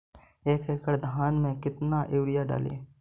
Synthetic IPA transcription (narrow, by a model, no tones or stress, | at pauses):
eːkeːkəɾd̪aːnmẽkɪt̪naʔeːʋɾɪjaɖa̰ːlḛː